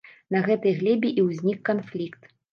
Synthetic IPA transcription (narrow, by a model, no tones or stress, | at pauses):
nɐɣɛt̪ɨjɣlʲɛbʲiʔiwzʲnʲikːanflʲikt̪